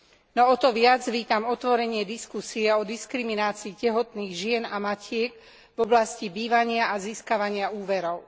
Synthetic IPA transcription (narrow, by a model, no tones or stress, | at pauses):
nɔɔt̪ɔʋɪad͡zʋiːt̪amɔt̪ʋɔɾɛɲɪɛd̪iskusiɛɔd̪iskɾiminaːt͡siːcɛɦɔt̪niːɣʒɪɛnamacɪɛɡ | vɔblascibiːʋaɲɪaʔaziːskaʋaɲɪauːʋɛɾɔʊ